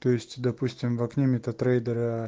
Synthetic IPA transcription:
t̪ojɪsʲtʲd̪ɐpusʲtʲɪmvɐknʲemʲɪt̪ɐt̪ɾɛjd̪əɾɐ

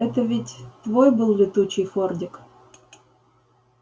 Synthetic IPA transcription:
ɛt̪əvʲɪtʲt̪vojbɨlˠlʲɪt̪ut͡ɕɪjfordʲɪk

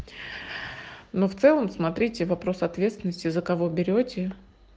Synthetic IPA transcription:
no̞ft̪sɛlˠəmsmɐt̪ɾʲitʲɪvɐpɾo̞sɐt̪vʲet̪st̪ʲɪnəsʲtʲɪzəkɐvo̞bʲɪɾʲotʲɪ

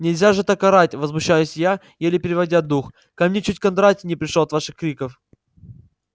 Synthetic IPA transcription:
nʲɪlʲzʲaʐɨt̪ɐkɐɾatʲvəzmʊɕːajʊsʲja | jelʲɪpʲɪɾʲɪvɐdʲad̪ux | kɐmnʲet͡ɕutʲkɐnd̪ɾatʲɪnʲɪpɾʲɪʂoɐt̪vaʂɨxkɾʲikəf

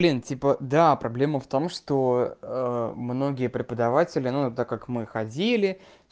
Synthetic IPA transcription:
blʲintʲipəd̪apɾɐblʲe̞məft̪o̞mʂt̪o̞ | mno̞ɡʲɪjəpɾʲɪpəd̪ɐvatʲɪlʲɪnut̪akːakmɨxɐdʲilʲɪ

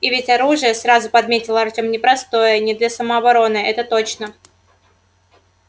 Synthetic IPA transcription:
ɪvʲɪtʲɐɾuʐɨjəsɾazʊpɐd̪mʲetʲɪlˠəɐrtʲomnʲɪpɾɐst̪o̞jənʲɪd̪lʲɐsəməɐbɐɾo̞nɨʔɛt̪ət̪o̞t͡ɕnə

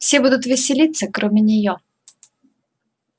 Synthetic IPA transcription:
fsʲebud̪ʊt̪vʲɪsʲɪlʲit̪səkɾʔomʲɪnʲɪjo

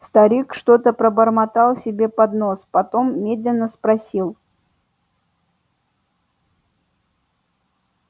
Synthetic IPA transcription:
st̪ɐɾʲikʂt̪o̞t̪əpɾəbərmɐt̪ɑlˠsʲɪbʲe̞pɐd̪no̞spɐt̪o̞mːʲe̞d̪lʲɪnːəspɾɐsʲilˠ

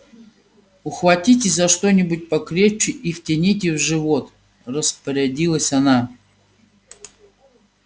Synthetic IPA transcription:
ʊxvɐtʲitʲɪzɐʂt̪o̞nʲɪbʊt̚ʲpɐkɾʲeft͡ɕɪʔiftʲɪnʲit̬ʲɪvʐɨvot̪ | rəspəɾʲɪdʲilˠəsʲɐna

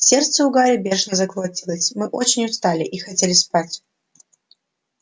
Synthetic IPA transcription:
sʲert̪səʊɡaɾʲɪbʲeʂnəzɐklˠɐtʲilˠəsʲmɨʔot͡ɕɪnʲʊst̪alʲɪʔixɐtʲelʲɪspatʲ

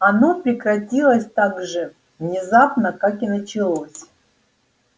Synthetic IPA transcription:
ɐnopɾʲɪkrɐtʲilˠəsʲt̪aɡʐɨ | vnʲɪzapnəkakinɐt͡ɕɪlˠo̞sʲ

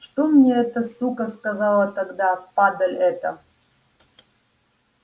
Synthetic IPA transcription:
ʂt̪omnʲɛɛt̪əsukɐskazalˠɐt̪aɡd̪apad̪ɐlʲɛt̪ɐ

